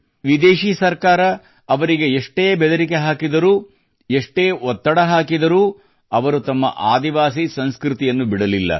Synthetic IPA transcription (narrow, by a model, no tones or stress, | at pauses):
ʋid̪eːʃiːsɐɾkaːɾɐː | ʋɐɾiɡeeʂʈeːbɛd̪ɐɾike̞ɦaːkid̪ɐɾuː | eʂʈeːɔt̪ːɐɽɐɦaːkid̪ɐɾuː | ɐʋɐɾut̪ɐmːɐ̰ʔaːd̪iʋaːs̬isɐnskɾit̪ijɐnːubiɽɐlilːɐ̰